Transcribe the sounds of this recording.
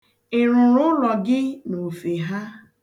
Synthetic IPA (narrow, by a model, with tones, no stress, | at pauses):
ɪ˨ɾʊ˨ɾʊ˦lɔ˨ɡɪ˦no˨fe˨ɦa˦